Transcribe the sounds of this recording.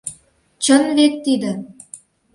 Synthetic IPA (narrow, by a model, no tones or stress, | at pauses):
t͡ɕə̆nvet̪ːid̪ə̆